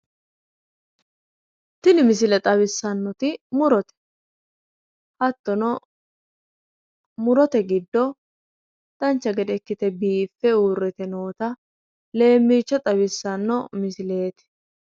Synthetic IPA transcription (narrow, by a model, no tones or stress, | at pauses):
t̪ɪnɪmɪs̬ɪlɛt̪ʼɐbɪsːɐnːɔt̪ɪmʊɾɔt̪ɛ̥ | hɐt̪ːɔnɔ | mʊɾɔt̪ɛɡɪd̪ːɔ | t̪ɐnt͡ʃːɐɡɛd̪ɛɛkːɪt̪ɛbiːfːɛuːrːɛt̪ɛno̞ːt̪ɐ | le̞ːmːiːt͡ʃːɐt̪ʼɐβɪsːɐnːɔmɪsɪle̞ːt̪ɪ̥